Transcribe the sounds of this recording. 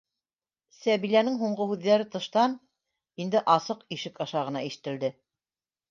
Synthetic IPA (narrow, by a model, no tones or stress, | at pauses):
sæβilænɘŋɦuɴɢohʉðːæɾɘt̪ɤ̆ʃt̪ɑn | ind̪ɘʔɑsɤqiʃɘkɑʃɑʁɤ̆nɑiʃɘ̆t̪ɘ̆ld̪ɘ